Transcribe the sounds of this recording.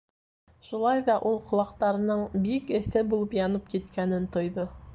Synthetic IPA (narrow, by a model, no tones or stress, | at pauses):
ʃulˠɑjðɑʔulˠqŏlˠɑqt̪ɑɾɤ̆nɤɴbikɘ̆θɘbulˠɤpjɑnɤp̚kit̪kænɘnt̪ŏjðɤ